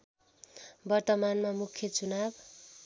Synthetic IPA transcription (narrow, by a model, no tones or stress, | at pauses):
bʌrt̪ʌmanmamukʰjʌt͡sunab